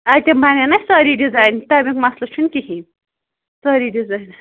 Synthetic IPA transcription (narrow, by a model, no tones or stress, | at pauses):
at̪ʲembanenɐsaːɾiɖizaːjnt̪amikmaslɐʃʰunkihi | saːɾidizaːjn